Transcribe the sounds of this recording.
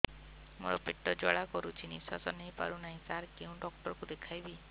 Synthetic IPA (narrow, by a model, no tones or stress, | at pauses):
mṵɾɔpiʈːɔd͡ʒɔɭakɔɾut͡ʃʰinisa̰sɔnejpa̰ɾunaɦĩsaɾkeũɖɔk̚ʈɔɾɔkud̪ekʰajbi